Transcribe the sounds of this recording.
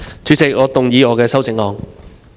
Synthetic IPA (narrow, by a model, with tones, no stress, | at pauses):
t͡ʃyː˨˧˥t͡sɪ˨k̚ŋɔː˨˧t̪ʊ˨ŋjiː˨˧ŋɔː˨˧kɛː˧sɐ˥wt͡sɪ˨˥ŋlɔː˨˧ŋ